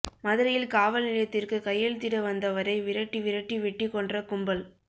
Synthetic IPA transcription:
mɐðɯɾɐjɪlkaːʋɐlnɪlɐjɐt̪ːɪrkɯkɐjːɐlt̪ɪɽɐʋɐnd̪ɐʋɐɾɐɪʋɪɾɐʈːiʋɪɾɐʈːiʋɛʈːikːɔɳdrɐkʊmbɐl

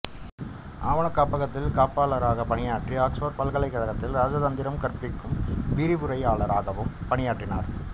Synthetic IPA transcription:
ʔaːʋɐɳɐkːaːpɐɣɐt̪ːɪlkaːpaːɭɐɾaːɣɐpɐɳɪjaːʈriaːksʋoːɾ̚pɐlɣɐɭɐɪkːɐɻɐɣɐt̪ːɪlɾaːd͡ʒɐðɐnd̪ɪɾɐmkɐɾpɪkːɯmʋɪɾibʊɾɐɪaːɭɐɾaːɣɐʋɯmpɐɳɪjaːʈrɪna̰ːɾ

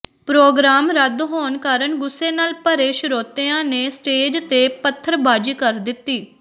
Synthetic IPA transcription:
pɾoːɡɾaːmɾəd̪ɦoːnkaːɾəɳɡʊsːeːnaːlpəɾeːʃɾoːt̪eːãːneːsʈeːd͡ʒt̪eːpət̪ʰːəɾbaːd͡ʒiːkəɾd̪ɪt̪ːiː

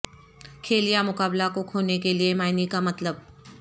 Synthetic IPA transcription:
kʰeːlijamʊkaːblakokʰoːnekeliemaːɪnikamɐt̪ləb̚

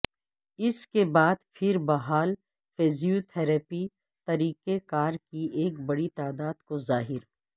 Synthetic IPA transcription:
ɪskebaːd̪pʰɪɾbɐɦaːl | fʰeːzijot̪ʰɛːɾɛːpi | t̪ɐɾiːkekaːɾkieːkbɐɽit̪aːd̪aːd̪kozaːɦɪɾ

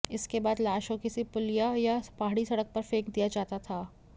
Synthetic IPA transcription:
ɪskebaːd̪laːʃõkɪsipʊlijajapaːɦɽisɐɽək̚pɐɾfeːkd̪ijad͡ʒaːt̪at̪ʰaː

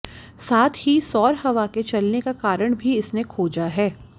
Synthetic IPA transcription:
saːt̪ʰhisɔːɾhɐʋaket͡ʃɐlnekakaːɾəɽ̃bʱiɪsnekʰoːd͡ʒaɦɛː

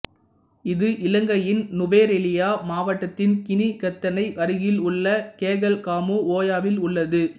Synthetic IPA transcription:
ɪðɯʔɪlɐŋɡɐjɪnnʊʋeːɾɛlɪjaːmaːʋɐʈːɐt̪ːɪnkɪnikɐt̪ːɐnɐɪʔɐɾɯɣɪlʊɭːɐkeːɣɐlkaːmuoːjaːʋɪlʊɭːɐðɯ

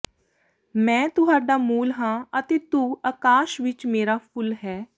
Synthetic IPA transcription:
mɛ̃ːt̪ʊɦaːɖaːmuːlɦãːət̪eːt̪uːakaːʃʋɪt͡ʃmeːɾaːpʰʊlɦɛː

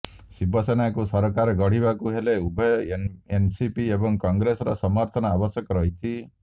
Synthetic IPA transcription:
sibɔsenakusɔɾɔkaɾɔɡɔɽ̤ibakuɦeleubʱɔjensipiebɔŋkɔŋɡɾesɔɾɔ̰sɔmɔɾt̪ʰɔnɔabɔsjɔkɔɾɔɦit̪ʰi

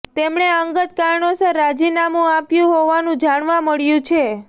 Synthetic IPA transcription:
t̪emɳeəŋɡət̪kaɾɳosəɾad͡ʒinamũapjũɦoʋanũd͡ʒaɳʋaməɭjũt͡ʃʰe

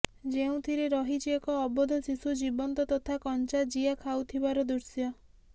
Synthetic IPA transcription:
d͡ʒeũt̪ʰiɾeɾɔɦid͡ʒiekɔːbɔd̪ʱɔsisud͡ʒibɔnt̪ɔt̪ɔt̪ʰakɔnt͡ʃad͡ʒiakʰawt̪ʰibaɾɔd̪uɾsjɔ

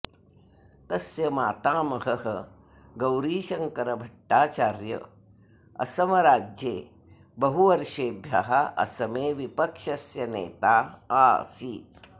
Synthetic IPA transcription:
t̪ɐsjɐmaːt̪aːmɐɦɐɦɐ | ɡɐwɾiːʃɐŋkɐɾɐbʱɐʈːaːt͡ʃaːɾjɐ̰ | ɐ̰sɐmɐɾaːd͡ʒjeː | bɐɦuʋɐɾʃeːbʱjɐɦɐʔɐ̰sɐmeːʋipɐkʃɐsjɐnḛːt̪aːa̰ːsi

